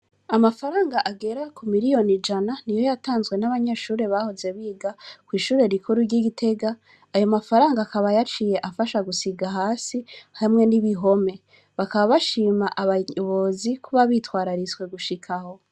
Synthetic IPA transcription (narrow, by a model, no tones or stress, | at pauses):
amafaɾaːŋɡaʔaɡe̞ɾakumiɾijo̞nid͡ʒananijo̞jataːnzɡwe̞naβaɲe̞ʃuːɾe̞βaːho̞ze̞βiːɡakwiːʃuːɾe̞ɾikʰuɾuɾɟiɡitʰe̞ɡa | ajo̞mafaɾaːŋɡakaβajat͡ʃije̞ʔafaʃaɡusiɡaɦaːsihamŋe̞niβiɦo̞me̞ | βakaβaβaʃiːmaʔaβaβo̞ːzikuβaβitwaːɾaɾit͡swe̞ɡuʃikʰaho̞